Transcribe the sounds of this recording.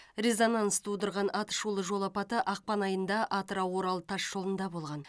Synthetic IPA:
rʲezonɑnst̪ut̪əɾʁɑnɑt̪ə̥ʃulˠəʒo̞lˠɑpɑt̪əʔɑq̚pɑnɑjənd̪ɑʔɑt̪əɾɑwo̞ɾɑlˠt̪ʰɑʃʒo̞lˠənd̪ɑbo̞lˠʁɑn

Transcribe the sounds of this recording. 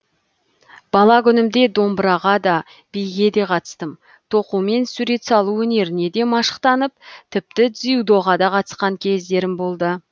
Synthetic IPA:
b̥ɑlˠɑkʲʰʏnɪmd̪e̞d̪o̞mbɾɑʁɑd̪ɑ | b̥ejɡʲe̞d̪e̞qʰɑt̪ə̥st̪əm | t̪ʰo̞qume̞nsuɾe̞t̪sɑlˠuwɵne̞ɾɪne̞d̪e̞mɑʃə̥qt̪ɑnəp̚t̪ʰɪp̚t̪ɪd̪zijud̪o̞ʁɑd̪ɑqʰɑt̪ə̥sqɑŋkʲʰe̞zd̪e̞ɾɪmbo̞lˠd̪ə

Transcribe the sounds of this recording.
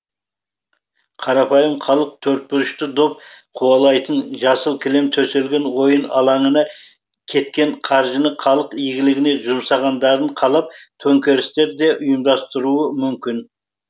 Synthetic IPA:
qʰɑɾɑpʰɑjəmχʰɑlˠəq̚t̪ʰɵɾt̪̚pʏɾɪʃt̪ɪd̪o̞p̚qʰuɑlˠɑjt̪ənʒɑsəlˠkʲʰɪle̞mt̪ʰɵse̞lɡʲe̞nwo̞jənɑ̰lˠɑɴənɑ | kʲʰe̞t̪̚kʲe̞ɴqʰɑɾʒənəqʰɑlˠəqijɡʲɪlɪɡʲɪne̞ʒʊmsɑʁɑnd̪ɑɾəɴqʰɑlˠɑp̚t̪ʰɵŋkʲe̞ɾɪst̪e̞ɾd̪e̞ʔʊjəmd̪ɑst̪əɾuəmʏmkʲɪn

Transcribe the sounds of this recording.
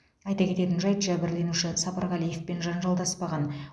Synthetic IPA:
ɑjt̪ɑkʰʲe̞t̪e̞t̪ɪnʒɑjt̪ʒæbɪɾle̞nuʃɪsɑpɑɾʁɑlije̞fpe̞nʒɑnʒɑlˠd̪ɑspɑʁɑn

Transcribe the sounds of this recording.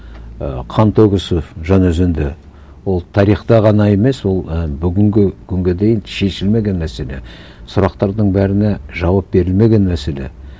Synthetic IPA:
qʰɑnt̪oɡʲɪsəʒɑnɵzɪnd̪ɪ | wo̞lˠt̪ʰɑɾiχt̪ɑʁɑnɑe̞me̞swo̞lˠəbʏɡʲɪŋɡʲɪkʲʰʏŋɡʲe̞d̪ejɪnʃe̞ʃɪlme̞ɡʲe̞nmæse̞le̞ | sʊɾɑqt̪ɑɾd̪əɴbæɾɪneʒɑwɑp̚be̞ɾɪlme̞ɡʲe̞nmæse̞le̞̰

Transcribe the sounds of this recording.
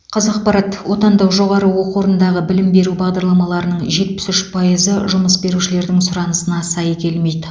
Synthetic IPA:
qʰɑzɑq̚pɑɾɑt̪wo̞t̪ɑnd̪ɑwʒo̞ʁɑɾəwo̞qwo̞ɾənd̪ɑʁəbɪlɪmbe̞ɾubɑʁd̪ɑɾlˠɑmɑlˠɑɾənəɴʒe̞t̪̚pɪ̥sʏʃpʰɑjəzəʒʊməsbe̞ɾuʃɪle̞ɾd̪ɪŋsʊɾɑnəsənɑsɑjkʲʰe̞lme̞jd̪ɪ

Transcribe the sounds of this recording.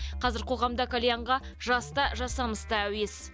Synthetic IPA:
qʰɑzɪɾqʰo̞ʁɑmd̪ɑkʰolʲejaɴʁɑ | ʒɑst̪ɑʒɑsɑməst̪ɑæwe̞s

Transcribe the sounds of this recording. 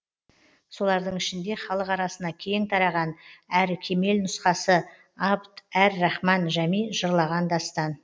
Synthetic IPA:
so̞lˠɑɾd̪əɴɪʃɪnd̪e̞χɑlˠəqɑɾɑsənɑkʲʰeŋt̪ʰɑɾɑʁɑnæɾkʲʰe̞me̞lnʊsqɑsə | ɑpt̪æɾːɑχmɑnʒæmijʒəɾlˠɑʁɑnd̪ɑst̪ɑn

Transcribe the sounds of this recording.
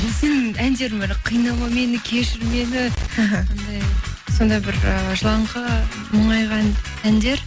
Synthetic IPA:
se̞nænd̪e̞ɾmeɾqʰijnɑmɑme̞nɪkʲʰe̞ʃɪɾme̞nɪɦond̪ɑjso̞nd̪ɑbɪɾəʒəlˠɑɴqɑ | məɴɑjʁɑn | ænd̪e̞ɾ

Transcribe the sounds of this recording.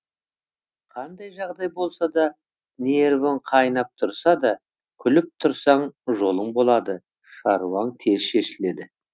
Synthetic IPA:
qʰɑnd̪ɑjʒɑʁd̪ɑjbo̞lˠsɑd̪ɑ | neɾvɪɴqʰɑjnɑp̚t̪ʰʊɾsɑd̪ɑ | kʲʰʏlɪp̚t̪ʰʊɾsɑɴʒo̞lˠəɴbo̞lˠɑd̪ə | ʃɑɾuwɑɴt̪ʰe̞zʃe̞ʃɪle̞d̪ɪ

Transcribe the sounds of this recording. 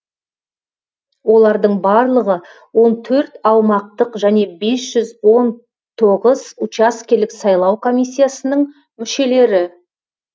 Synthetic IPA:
wo̞lˠɑɾd̪əɴbɑɾlˠəʁə | wo̞nt̪ʰɵɾt̪ɑwmɑq̚t̪əqʒæne̞be̞sʒ̥ʏzwo̞n | t̪ʰo̞ʁəzut͡ʃaskʲe̞lɪksɑjlˠɑwkʰo̞mʲijsʲːijasənəɴ | mʏʃe̞le̞ɾɪ

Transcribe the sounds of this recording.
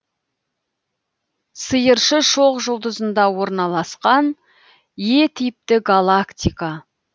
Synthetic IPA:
səjəɾʃəʃo̞qʒʊlˠd̪əzənd̪ɑwo̞ɾnɑlˠɑsqɑn | je̞t̪ʰɪjɪp̚t̪ɪɡalˠakt̪ʲijka

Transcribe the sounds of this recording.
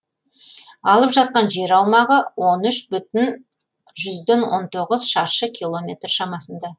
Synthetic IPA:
ɑlˠəpʒɑt̪̚qɑnʒe̞ɾɑwmɑʁəwo̞nʏʃbʏt̪ɪn | ʒʏzd̪enwo̞̰nt̪ʰo̞ʁəzʃɑɾʃəkʲʰilˠo̞mʲe̞t̪rʃɑmɑsənd̪ɑ

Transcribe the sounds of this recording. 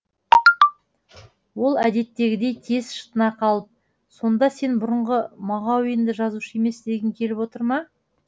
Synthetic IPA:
wo̞lˠæd̪e̞t̪ːe̞ɡʲɪd̪e̞jt̪ʰe̞zʃə̥t̪ənɑqʰɑlˠəp̚ | so̞nd̪ɑse̞nbʊɾəɴʁəmɑʁɑwɪjɪnd̪ɪʒɑzuʃəje̞me̞sd̪e̞ɡʲɪŋkʲʰe̞lɪpwot̪əɾmɑ

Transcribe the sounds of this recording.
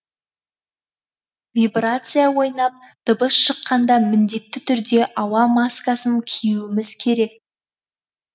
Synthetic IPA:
vibrat̪sɨjawo̞jnɑp̚d̪̥əbəsʃəqːɑnd̪ɑmɪnd̪e̞t̪ːɪt̪ʰʏɾd̪e̞ʔɑwɑmaskasəŋkʲʰijuwɪmɪzkʲʰe̞ɾe̞k̚

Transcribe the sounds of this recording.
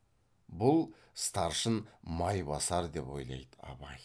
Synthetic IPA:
bʊlˠ | st̪ɑɾʃənmɑjbɑsɑɾd̪e̞po̞̰jlˠɑ̰jd̪əɑ̰bɑj

